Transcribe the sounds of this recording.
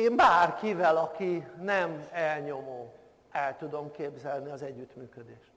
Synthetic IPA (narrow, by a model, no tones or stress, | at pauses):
eːmbaːrkivɛlɒkinɛmɛlɲo̞moː | ɛlt̪ud̪o̞mkeːbzɛlniɒzɛɟːyt̪myːkød̪eːʃt̪